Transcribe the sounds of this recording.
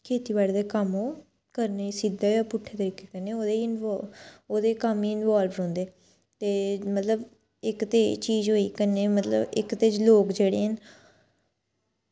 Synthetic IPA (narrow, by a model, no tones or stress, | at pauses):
kʰeːt̪iːbaːɽd̪eːkəmoː | kəɾneːiːsid̪aːjaːpʊʈʰeːt̪əɾiːkeːkəneːoːd̪eɪnː | oːd̪eːkəmiːɪnʋaːlʋɾɔ̃ːnd̪eː | t̪eːmət̪ləb | ɪkt̪eːt͡ʃiːzɦoːiːkəneːmət̪lə̰bɪ̰kt̪eːt͡ʃloːkd͡ʒeːɽeːɦən